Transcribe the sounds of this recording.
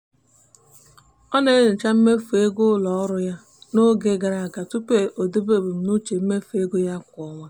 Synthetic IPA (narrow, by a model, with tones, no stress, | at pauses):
ɔ˦ne˨˦ne˨t͡ʃa˦m̩˦me˦fu˨e˦ɡʊ˦lɔ˨ɔ˦ɾʊ˦ja˦ | no˦ɡe˨ɡa˨ɾa˨ka˨tu˦pe˨ʔo˨de˦be˦˨be˨m̩˨˦nu˦t͡ʃe˨m̩˦me˦fe˦ɡo˦ja˦kʷɔ˨ŋʷa˦